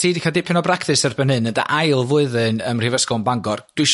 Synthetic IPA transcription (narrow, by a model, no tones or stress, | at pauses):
siːdikʰadɪpʰɪnɔbrakʰθɨsərbənhɨnənda̰ʔajlˠvʊɨðɨnəmr̥ivəskɔnbaŋɡɔrd̥wɨʃ